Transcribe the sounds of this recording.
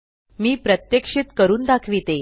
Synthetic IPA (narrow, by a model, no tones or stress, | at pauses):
miːpɾət̪jekʂit̪kəɾuːnd̪akʰʋit̪e